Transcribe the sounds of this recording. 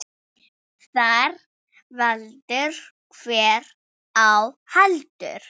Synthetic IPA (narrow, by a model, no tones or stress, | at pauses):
θaɾ | valt̪ɪɾ̥ | kʰv̥ɛːɾ | awhalt̪ʏ̰ɾ̥